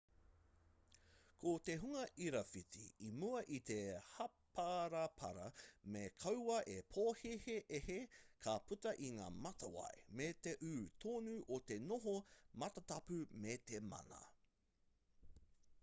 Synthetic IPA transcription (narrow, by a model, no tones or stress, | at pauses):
kʰot̪eɦuŋɐʔiɾɐfit͡sḭimuɐʔit̪ehɐpʰaɾɐpʰɐ̰ɾɐ̰mekʰɐwwɐʔepʰoːheheʔehekʰɐpʉtɐʔiŋa̰ːmɐtɐwɐ̰jmet̪eʔʉːt̪ʰoːnʉʔot̪e̞noɦomɐtɐtɐpʉmet̪emɐ̰nɐ̰